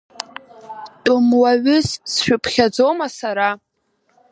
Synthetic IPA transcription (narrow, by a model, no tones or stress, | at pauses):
tʼʊmwaɥʊssʃᶣʊpʰχʲad͡zowmasaɾa